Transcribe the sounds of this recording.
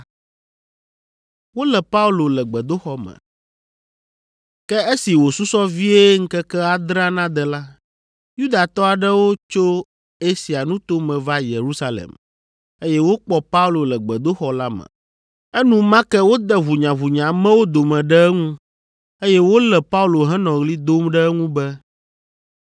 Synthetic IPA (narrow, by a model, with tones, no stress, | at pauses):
wo˦lɛ˨pa˦u˦lo˨lɛ˨ɡ͡bɛ˨d̪o˦xɔ˦mɛ̰̃˨ | kɛ˦e˦si˨wo˨su˦sɔ˦vi˦e˦ŋ̩˦kɛ˦kɛ˦a˨d̪ɾã˦nã˦d̪ɛ˨la˦ | ju˦d̪a˨t̪ɔ˦a˨ɖɛ˦wo˦t͡ʃo˦ | e˦si˨a˨nũ˦t̪o˦mɛ̃˨va˦je˨ɾu˦sa˦lḛ˨m | e˦jɛ˦wo˦k͡pɔ˦pa˦u˦lo˨lɛ˨ɡ͡bɛ˨d̪o˦xɔ˨la˦mɛ̰̃˨ | ɛ˦nũ˦mã˦kɛ˦wo˦d̪ɛ˦βu˨ɲã˨βu˨ɲã˨mɛ̃˦wo˦d̪o˨mɛ̃˨ɖɛ˦ɛ˦ŋũ˦ | e˦jɛ˦wo˦lɛ˨pa˦u˦lo˨ɦɛ̃˦nɔ̃˨ɣli˦d̪o˦mɖɛ˦ŋũ˦bɛ˦